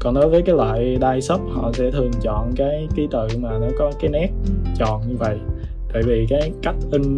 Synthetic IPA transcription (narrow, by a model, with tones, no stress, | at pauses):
kɔ˨˩nɗɔ˨˦jvəː˨˦jkaː˨˦jlwa̰ː˧˨jɗaː˧jsə˦˥p̚hɔ̰˧˨sɛ̰˧˥t̪ʰɨ˨˩əŋt͡ɕɔ̰˧˨nkaː˨˦jki˨˦t̪ɨ̰˧˨maː˨˩nɔ˨˦kɔ˨˦kaː˨˦jnɛ˦˥p̚t͡ɕɔ̰˨nɲɨ˧və̰˧˨j | t̪a̰ː˧˨jvi˨˩kaː˨˦jka˦˥jk̟̚ʔï˧ŋ̟